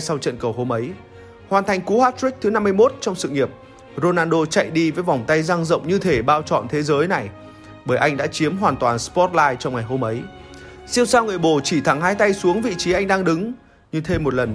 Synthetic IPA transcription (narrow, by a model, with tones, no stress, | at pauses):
sa˧wt͡ɕə̰˧˨nkə˨˩wɦo˧mʔə˨˦j | hwaː˨˩nt̪ʰa˨˩jŋ̟ku˨˦haː˦˥t̚ɹi˦˥k̚t̪ʰɨ˨˦na˧mːɨ˧əjmo˦˥t̚t͡ɕɔ˧wŋ͡msɨ̰˧˨ŋi˨˩əp̚ | zo˧naː˧nɗo˧t͡ɕa̰˧˨jɗi˧vəː˨˦jva˨˩wŋ͡mt̪a˧jzaː˧ŋzə̰˧˨wŋ͡mɲɨ˧t̪ʰe˧˩ɓaː˧wt͡ɕɔ̰˧˨nt̪ʰe˨˦zəː˨˦jna˨˩j | ɓəː˧˩jʔa˧jŋ̟ɗa̰ː˧˥t͡ɕi˨˦əmɦwaː˨˩nt̪waː˨˩nspɔ˦˥t̚laː˧jt͡ɕɔ˧wŋ͡mŋa˨˩jɦo˧mʔə˨˦j | si˧əwsaː˧wŋɨ˨˩əjɓo˧˩t͡ɕi˧˩t̪ʰa˨˩ŋɦaː˧jt̪a˧jsu˨˦əŋvḭ˧˨t͡ɕi˨˦ʔa˧jŋ̟ɗaː˧ŋɗɨ˨˦ŋ | ɲɨ˧t̪ʰe˧mːo˨˩t̚lə˨˩n